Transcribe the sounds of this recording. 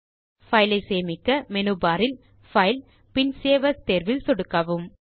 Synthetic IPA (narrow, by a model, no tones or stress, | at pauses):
fɐɪlɐɪseːmɪkːɐmɛnubaːɾɪl | fɐɪl | pɪnseːʋɐst̪eːɾʋɪlsɔɽɯkːɐʋɯm